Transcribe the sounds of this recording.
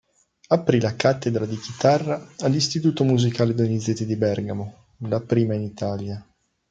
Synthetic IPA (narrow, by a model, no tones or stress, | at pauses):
apɾilakat̪ːed̪ɾad̪ik̟it̪arːaːlːist̪it̪uːt̪omuzikaːled̪onid̪zet̪ːid̪ibɛrɡamo | lapɾiːmainit̪aːlja